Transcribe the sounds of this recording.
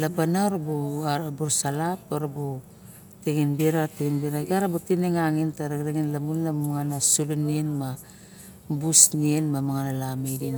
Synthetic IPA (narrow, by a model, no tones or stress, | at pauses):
labanaoɾabuaɾbuɾsalapoɾabu | teŋinbiɾateŋinbiɾaɡaɾabutineŋaŋintaɾaɡɾeŋinlamunlamaŋanasulunienma | busnienmamaŋanalamejdin